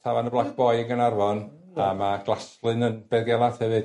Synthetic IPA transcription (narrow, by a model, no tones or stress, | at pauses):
tʰavanəblˠakʰb̥ɔjəɡənarvɔn | amaɡ̥lˠaslˠɨnənb̥ɛðɡɛlˠaθhɛvɨd̥